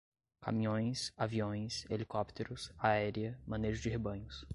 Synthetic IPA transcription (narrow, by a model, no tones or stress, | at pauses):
ka̰mĩɲõj̃saviõj̃selikɔpt̪ʰeɾʊsaɛɾiɐmɐ̃neʒʊzd͡ʒɪɦebɐ̃ɲʊs